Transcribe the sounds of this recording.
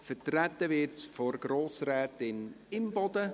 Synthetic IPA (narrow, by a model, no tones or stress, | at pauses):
fətrætːəvɪɾtsfɔɾɡ̥ɾoːsɾɛːtɪn | ɪmbɔd̥̪ə